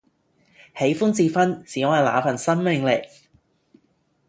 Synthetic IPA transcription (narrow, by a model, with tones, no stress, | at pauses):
he˨˥jfuː˥nt͡siː˨˧fɐ˥nt͡siː˨˥ɔː˨˧˥ɐ˨jla̰ː˨fɐ˨˩nsɐ˥nmɪ˨ŋle˨˩k